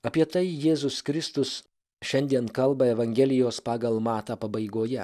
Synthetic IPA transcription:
ɐpʲiɛt̪ɐɪjeːzʊskɾʲɪst̪ʊs | ʃʲɛnʲd̪ʲiɛnkɐlˠbɐɛʋɐŋʲɡʲɛːlʲɪjoːspɑːɡɐlˠmɑːt̪ɑːpɐbɐɪɡoːjɛ

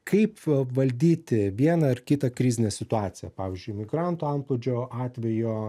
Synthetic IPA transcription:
kʰɐɪpʋɐlʲd̪ʲiːt̪ʲɪʋʲiɛnɐɪrkʲɪt̪ɐkɾʲɪzʲɪnʲesʲɪt̪ʊɑːtsʲɪjɛ̰pɑːʋʲɪzʲd͡ʒʲʊɪmʲɪɡɾɑːnt̪uːɐmplˠoːd͡ʒʲoːɑːt̪ʲʋʲɛjoː

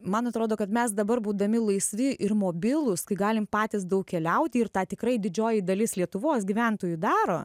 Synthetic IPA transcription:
mɐnɐt̪ɾoːd̪oːkɐt̪mʲɛsd̪ɐbɐɾbuːd̪ɐmʲɪlˠɐɪsʲʋʲɪʔɪɾmoːbʲɪlˠʊskɐɪɡɑːlʲɪmpɑːt̪ʲɪsd̪ɐʊkkʲɛlʲɛʊt̪ʲɪɪrt̪ɑːt̪ʲɪkɾɐɪd̪ʲɪd͡ʒʲoːjɪd̪ɐlʲɪslʲiɛt̪ʊʋoːsɡʲiːʋʲɛnt̪oːjud̪ɑːɾoː

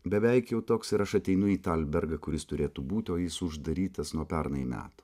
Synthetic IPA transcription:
bʲɛʋʲɛɪkjɛʊt̪oːksɪɾɐʃɐt̪ʲɛɪnʊiːt̪ɐlʲbʲɛɾɡɐkʊɾʲɪst̪ʊɾʲeːt̪uːbuːt̪ʲoːjɪsʊʒd̪ɐɾʲiːt̪ɐsnuɔpʲɛɾnɐjimʲæ̰ːt̪u̥

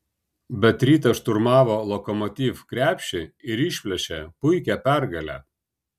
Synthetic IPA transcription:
bʲɛt̪ɾʲiːt̪ɐʃt̪ʊɾmɑːʋoːlˠɔkɔmɔt̪ʲiːfkɾʲæːpʲʃʲɪɪɾɪʃʲpʲlʲɛʃʲɛpʊɪkʲæpʲæɾɡɐlʲæ̰ː

